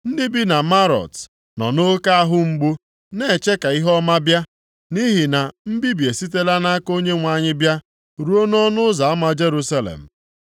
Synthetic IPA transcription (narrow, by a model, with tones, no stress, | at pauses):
n̩˦dɪ˦bi˦na˨ma˦ɾɔ̰˨t | nɔ˨no˦ka˦a˦ɦʊ˦ŋ͡m̩˦ɡ͡bu˦ | ne˦˨e˨t͡ʃe˦ka˨i˦ɦɔ˦ma˦bja˦ | ni˦ɦi˨na˨m̩˦bi˦bje˨si˦t̬e˦la˦na˦a˦ko˦ɲe˦ŋʷa˨ɲɪ˦bja˦ | ɾu˦o˦n˦ɔ˦nʊ˦za˨a˦ma˦d͡ʒe˦ɾu˦sa˦lḛ˨m̩˨